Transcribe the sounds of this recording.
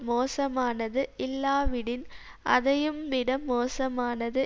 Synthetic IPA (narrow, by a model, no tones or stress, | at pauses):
moːsɐmaːnɐðɯʔɪlːaːʋɪɽɪn | ʔɐðɐjɯmʋɪɽɐmoːsɐmaːnɐðɯ